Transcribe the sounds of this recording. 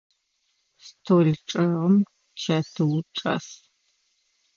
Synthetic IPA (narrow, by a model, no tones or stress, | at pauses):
stʰoɮʈ͡ʂʼɨʁɐm | t͡ʃʰɐtʰɨwʈ͡ʂʼɐ̰s